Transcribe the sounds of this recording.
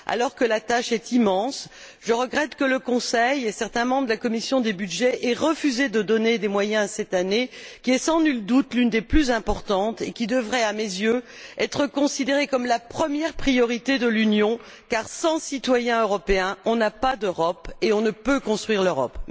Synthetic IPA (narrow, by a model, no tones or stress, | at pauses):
a̰lɔʁkəlat̪aʃɛt̪imɑ̃s | ʒəʁəɡʁɛt̪kələkɔ̃sɛjesɛʁt̪ɛ̃mɑ̃bʁd̪əlakɔmisjɔ̃d̪ebyd̪ʒɛʔɛʁəfyzed̪əd̪ɔned̪emwajɛ̃asɛt̪anekʲiɛsɑ̃nyld̪ut̪lynd̪eplyzɛ̃pɔʁt̪ɑ̃t̪ekʲid̪əvʁɛamezjøɛt̪χəkɔ̃sid̪eʁekɔmlapχəmjɛʁpχijɔʁit̪ed̪əlynjɔ̃ | kaʁsɑ̃sit̪wajɛ̃øʁɔpeɛ̃ɔ̃napad̪øʁɔpeɔ̃nəpøkɔ̃st̪χɥiʁløʁɔ̰p